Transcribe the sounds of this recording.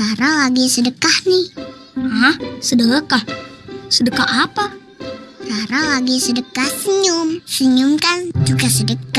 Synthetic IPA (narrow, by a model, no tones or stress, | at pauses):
raɾalaɡisədəkahnih | ahsədəəkahsədəkahapa | raɾalaɡisədəkahsəɲʊmsəɲumkand͡ʒuɡasədəka